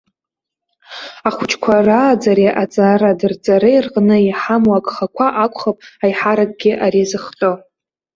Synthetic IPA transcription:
aχʷʊt͡ʃʰʼkʷʰaraːd͡zaɾiʔat͡sʼaradɨrd͡zʼaɾɨjrqʼnɨiħamwakʼχakʷʰaʔakʷʼχapʼajħaɾak̚ʼɡʲɪʔaɾizɨχtʼo

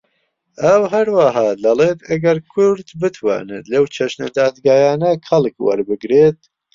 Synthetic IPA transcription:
ʔɐwɦɐɾwaɦɑːd̪ɐleːt̪ʰɐɡɐɾkʰʊɾd̪bɨt̪ʰwa̰ːnḛt̪lɐwt͡ʃʰɐʃnɐ̰d̪aːd̪ɡaːjaːnɐxɐlˠkwɐ̰ɾbɨɡɾet̪̚

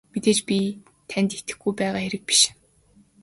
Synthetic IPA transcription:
met̪eːt͡ɕpʲi | t̪ʰænt̪et̪ɘ̆xɡujpæːʁaːxeɾɘ̆k̚pi̥ʃ

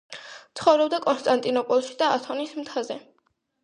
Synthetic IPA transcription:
t̪sʰχɔvɾɔbd̪akʼɔnst̪ʼant̪ʼinɔpʼɔlˠʃid̪aat̪ʰɔnismt̪ʰazɛ

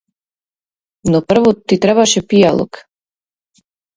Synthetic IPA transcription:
nɔpr̩vɔt̪it̪ɾɛbaʃɛpijalˠo̰k

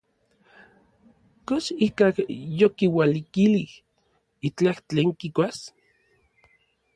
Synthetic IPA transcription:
kosikakjokiwalikilih | it͡ɬaht͡ɬeːŋkikʷas

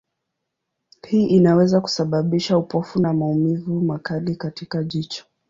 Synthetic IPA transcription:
hiːʔinawɛzaku̥saɓaɓiʃaupɔfunamaumivumakalikatikaʄit͡ʃɔ̥

